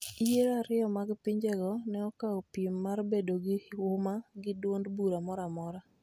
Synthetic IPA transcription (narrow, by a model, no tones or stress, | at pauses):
ijeɾaɾɪɔmaɡpɪɲd͡ʒɛɡɔnɛɔkaopimːarbedoɡɪʊmaɡɪdwondbuɾamɔɾamɔɾa